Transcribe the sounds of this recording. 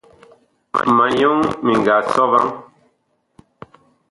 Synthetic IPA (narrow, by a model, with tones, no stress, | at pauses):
ma˨jo˦ŋmi˨ŋ˨ɡa˨sɔ˦va̰˦ŋ